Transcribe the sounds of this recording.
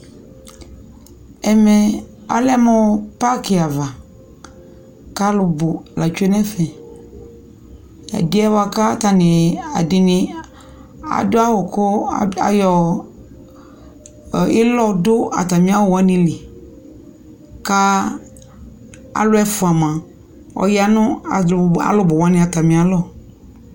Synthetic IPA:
ɛ˨mɛ˨a̰˦lɛ˦mɔ̃˦pa˦kɪ˨a˨va˨ | ka˦lʊ˨bʊ˨la˨t͡ʃu˦ɛ˦nɛ˦fɛ˨ | a̰˨dɪ˦ɛ˦wa˨ka˦t̪a˨nɪ˨a˨dɪ˨nɪ̃˨ | a̰˨dʊ˦a˦wʊ˨kʊ˦a˨jɔ˨ | ɪ˦lɔ˦dʊ˦a̰˨t̪a˨mĩ˦a˦wʊ˨wa˦nɪ̃˦lɪ˨ | ka˦ | a̰˨lʊ˦ɛ˦fʊ˨a˨mã˨ | ɔ̰˨ja˦nʊ̃˦a˨a̰˨lʊ˦bʊ˨wa˦nɪ̃˨a˨t̪a˨mĩ˨a˨lɔ˦˨

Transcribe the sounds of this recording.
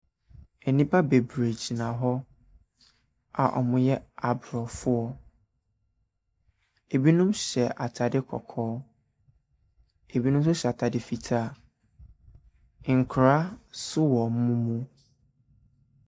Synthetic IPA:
e˨nĩ˦pʰa˦be˨bɾe˨d͡ʑi˨nã˨ɦɔ˦ | a̰˨ʔɔ̰˨mʊ̃˦jɛ˦a˨bɾɔ˨fʊ˦ɔ˨ | e˨bi˦nũ˦mɕɛ˨ʔa˨tʰa˨dɪ˦kʰɔ̰˨kʰɔː˦ | e˨bi˦nũ˦m˦sʊ˦ɕɛ˨a˨tʰa˨dɪ˨fi˨tʰaː˦˨ | ŋ̩˨kʰɾa˦sʊ˦wɔ˨m̩˦mũ˦mũ˦

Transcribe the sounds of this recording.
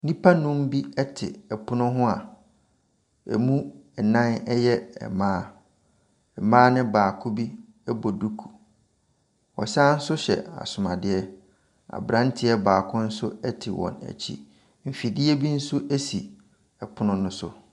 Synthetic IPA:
nĩ˦pʰa˦nʊ̃˦m˦bi˦ɛ˦tʰɪ̰˨ɛ˨pʰʊ˦nʊ̃˦ɦʊ̃˦a˨ | ɛ̰˨mũ˦ɛ˨nã˦nɛ˦jɛ˦ɛ̰˨mãː˦ | ɛ˨mãː˦nɪ̃˦baː˨kʰʊ˦bi˦ | ɛ˦bɔ˨du˦kʰu̥˨ | ɔ̰˨sãː˦n̩˦sʊ˦ɕɛ̰˨a̰˨sʊ˨mã˨dɪ˦ɛ˦ | a̰˨bɾã˦n˦tʰɪ˦ɛ˦baː˨kʰʊ̃˦n̩˦sʊ˦ɛ˦tʰɪ˨wɔ̰̃˨næ̰˨t͡ɕʰḭ˦ | m̩˨fi˨dɪ˦ɛ˦bi˦n̩˦sʊ˦ʔe˦si˨ | ɛ˨pʰʊ˦nʊ̃˦nʊ̃˦sʊ̰˦

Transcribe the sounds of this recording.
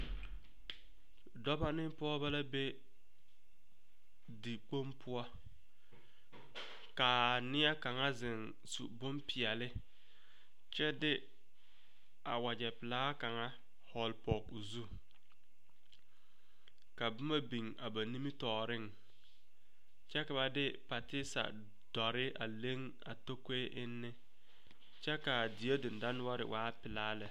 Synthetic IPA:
dɔ˦ba˦nɪ˦pɔ˦ba˦la˦be˦ | di˨k͡po˦mpʰʊ˦ɔ˦ | ka˨nɪ˦a˦ka˨ŋa˦zɪ˨n | sṵ˨bʊ˦mpɪ˨ɛ˨lɪ˦ | t͡ʃɛ˦dɪ˦ | a̰˨wa˨d͡ʒɛ˨pɪ˨laː˦ka˨ŋa˦ | hɔ˨lpɔ˨kʊ˨zu˦ | ka˨bʊ˦ma˦bi˨ŋa˨ba˨ni˦mi˦tɔː˨ɾɪ˦ŋ | t͡ʃɛ˦ka˨ba˦dɪ˦pa˨tɪ˦sa̰˨ | d̥ɔ˨ɾɪ˦ʔa̰˨le˦ŋ | a̰˨to˦ke˦ʔɪ˦nːɪ˦ | t͡ʃɛ˦ka˨dɪ˨je˦dɪ˨n˨da˦n˦wa˦ɾɪ̰˨wʔaː˦pɪ˨laː˦lɪ˨

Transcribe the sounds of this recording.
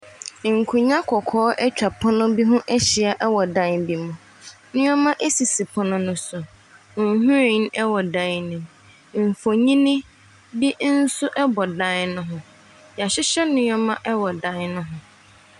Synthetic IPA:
ŋ̩˨kʰʊ̃˨ɲã˦kʰɔ˨kʰɔː˦ʔɛ˦t͡ɕᶣa˨pʰɔ˦nʊ̃˦bi˦ɦʊ̃˦ʔɛ˦ɕɪ˨a˨ʔɛ˦wɔ˨dã˦nbi˨mʊ̃˨ | nʊ̃˦ɔ˦mã˦ʔɛ˦si˨si˨pʰɔ˦nʊ̃˦nʊ̃˦sʊ˨˦ | ɦũ˦ɾe˨˦n˦ɛ˦wɔ˨dã˦nnɪ̃˨m | m̩˨fo˨ɲĩ˦nɪ̃˦ | bi˦n̩˦sʊ˦ʔɛ˦bɔ˨dã˦nnʊ̃˦ɦʊ̃˨ | ja˨ɕɪ˦ɕɛ˦nʊ̃˦ɲ˦ɔ˦mã˦ʔɛ˦wɔ˨dã˦nnʊ̃˦ɦʊ̃˨

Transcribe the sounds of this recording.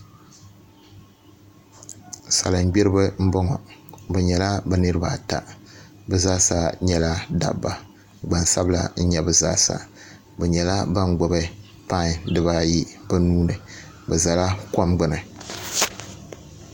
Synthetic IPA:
sa̰˨lɨ˨n˦ɡ͡bɛ˦ɾɨ˦bɨ˦m̩˦bɔ˦ŋɔ̰˨bɛ˨ɲɛ˨la˦ba˦nɨ˦ɾɨ˦ba˨ta̰˨ | bɨ˨zaː˦sa˦ɲɛ˦la˦da̰˨bːa˨ | ɡ͡ba˨nsa˦bla̰˦n̩˦ɲɛ˦bɨ˨za̰ː˦˨sa̰˨ | bɛ˨ɲɛ˨la˦ba˦n˦ɡ͡bo˨bɨ˦ | pa˦˨dɨ˦βa˦ji˦ba˦nuː˦nɨ˨ | bɨ˨za˨la˦ko˦mɡ͡bɨ˦nɨ˨

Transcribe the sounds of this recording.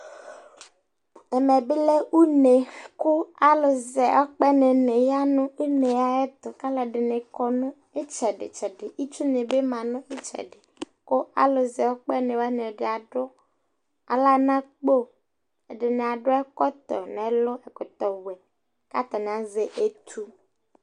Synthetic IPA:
ɛ˨mɛ˨bɪ˦lɛ˦u˦ne˨kʊ˦a˦lʊ˨zɛ˨ʔɔ˦k͡pɛ˦ne˨ne˨ja˦nʊ̃˦u˦ne˨ja˦ɛ˦t̪ʊ˨ka˦lɛ˨ɖɪ˨ne˨kɔ˦nʊ̃˦ | e˦t͡ʃɛ˨ɖɪ̰˨t͡ʃɛ˨dɪ˨i˦t͡ʃu˦ne˨be˦mã˨nʊ̃˦ɪ˦t͡ʃɛ̰˨ɖɪ˨ | kʊ˦a̰˦lʊ˨zɛ˨wɔ˦k͡pɛ˦nẽ˨wa˦ne˨ɖɪ˨a˨ɖʊ˦ | a̰˨la˦nã˦k͡po˦ | ɛ˨ɖɪ˨ne˨a˨ɖʊ˦ɛ˦kɔ˦t̪ɔ̰˨nɛ˨˦lʊ˦ɛ˨kʊ˨t̪ɔ˨wɛ˨ | ka̰˦t̪ɔ˨n˨a˨ze˨ʔe˦t̪ʰu˦

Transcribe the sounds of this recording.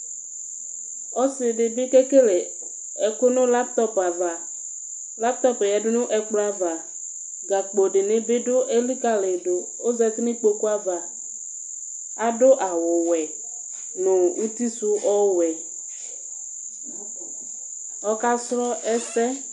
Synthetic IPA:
ɔ˦sɪ˨ɖɪ˨bɪ˦ke˦ke˦le˨ | ɛ˨kʊ˦nʊ̃˦la˦p̚t̪ɔ˦pa˨va˨ | la˦p̚t̪ɔ˦pjɛ˨dʊ˦nʊ̃˦ʔɛ˨k͡plɔ˦a˦va˨ | ɡa˨k͡po˨ɖɪ˨ne˦bɪ˦dʊ˦ʔe˦li˦ka˦le˨do˨ | o˦zɛ˦tnɪ̃˦k͡po˨ku˦a˦va˨ | a˨dʊ˦ʔa˨wʊ˨wɛ˨ | nʊ̃˨ŋũ˦t̪i˦su˦ʔɔ˦wɛ˨ | ɔ˦ka˦slɔ˦ɛ˦sɛ˦

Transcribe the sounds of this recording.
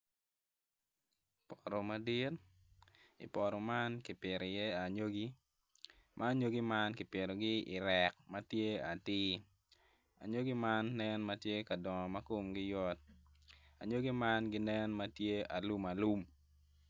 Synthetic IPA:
pɔɾo˨ma˦dɪ˦t | ɪ̰˨pɔ˨ɾɔ˨ma˦nki˨pe˨ɾe˨je˦a˨ɲo˦ɡi˦ | mʔa˦ɲo˦ɡi˦ma˦nkɪ˨pe˨ɾo˨ɡɪ˦ɪ̰˨ɾɛ˨k̚ma˦tje˦a˨tiɪː˦ | a̰˨ɲo˦ɡi˦ma˦nːɛ˦nma˦tje˦ka˨dɔ˨ŋɔ˨ma˦ko˦mɡɪ˦jɔ˦t̚ | a˨ɲo˦ɡi˦ma˦nɡɪ˦nɛ˦nmatje˦a˨lu˦ma˨lu˦m

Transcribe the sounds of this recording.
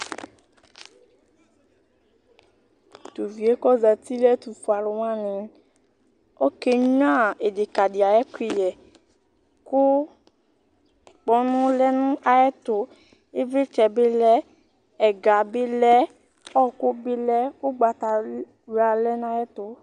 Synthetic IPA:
to˨vi˨e˨˦kɔ˦za˨ti˦lɛ˦tu˨fu˨a˨lʊ˨wã˦nĩ˨ | ɔ˦ke˦ã˦˨e˨de˨ka˨di˨a˨jɛ˦ki˨jɛ˨ | kʊ˦ | k͡pɔ˦nʊ̃˦lɛ˦nũ˦a˨jɛ˦tʊ˨ | e˦ve˦t͡ʃɛ˨be˦lɛ˦ | ɛ˨ɡa˨bɪ˦lɛ˦ | ɔ˦kʊ˦bɪ˦lɛ˦o˦ɡ͡ba˨ta˨˦ | a˨lɛ˦n˦a˧jɛ˦tʊ˨˦

